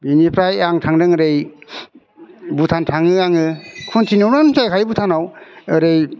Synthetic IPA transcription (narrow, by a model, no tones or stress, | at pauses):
binipʰɾajaŋtʰaŋdɯŋɯɾej | butʰantʰaŋɯaŋɯkʰuntʰinɯwnansajkʰajbutʰanawɯɾej